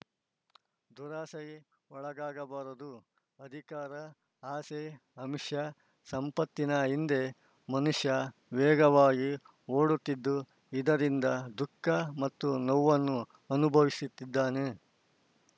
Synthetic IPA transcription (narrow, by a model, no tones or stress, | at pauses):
d̪ʱuɾaːsɐj | ɔɭɐɡaːɡɐbaːɾɐd̪u | ɐd̪ʱikaːɾɐ | aːse | ɐmiʂjɐ | sɐmpɐt̪ːinɐind̪e̞ | mɐnuʂjɐʋɛːɡɐʋaːɡi | oːɽut̪ːid̪ːu | id̪ɐɾind̪ɐd̪ukːɐmɐt̪ːunɔwːɐnːu | ɐnubʱɐʋisut̪ːid̪ːaːne